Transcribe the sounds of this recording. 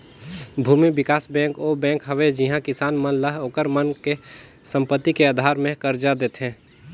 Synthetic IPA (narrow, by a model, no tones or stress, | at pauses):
bʱuːmibɪkaːsbɛ̃ːŋkobɛ̃ːŋkɦəʋed͡ʒɪɦãkɪsaːnmənləɦoːkəɾmənke | sə̃mpət̪ːikeaːd̪ʱaːɾmẽkəɾd͡ʒad̪eːt̪ɦɛ̃ː